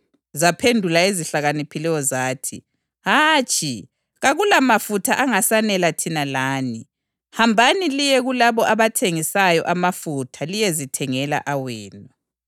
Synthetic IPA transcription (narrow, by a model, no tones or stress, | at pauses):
zapʰendʱulaeziɬaɣanipʰilɛjɔzaːtʰḭ | ɦaːt͡ʃʼi | ɣaɣulamafutʰaʔaŋasanɛlatʰinalaːni | hambʱanilijɛɣulaβɔʔaβatʰeŋisajɔ̰ʔamafutʰalijɛzitʰɛŋɛla̰ʔawɛːnɔ